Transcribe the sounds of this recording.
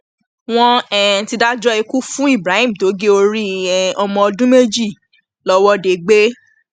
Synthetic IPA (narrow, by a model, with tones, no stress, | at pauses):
w̃ɔ̃˧ɛ˦n̩˨ti˧da˦d͡ʒɔ˦e˧ku˦fũ˦i˦˨bɾa˨˦ĩ˦m̩˨to˨˦ɡe˦o˧ɾi˦ɛ˨ɔ˧mɔ̃˧ɔ˧dũ˦me˦d͡ʒi˦˨ | lɔ˦wɔ˦de˨ɡ͡be˦